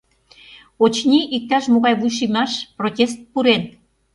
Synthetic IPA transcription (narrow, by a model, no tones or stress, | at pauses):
ot͡ɕnʲiʔik̚t̪ɑʃmoɣɑjβujʃ̬imɑʃprotʲest̪̚puɾen